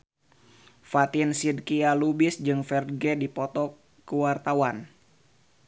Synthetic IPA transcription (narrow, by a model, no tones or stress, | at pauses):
fat̪insid̚kialubɪsd͡ʒɨŋfɛrɡɛdipɔt̪ɔ | kəwart̪awan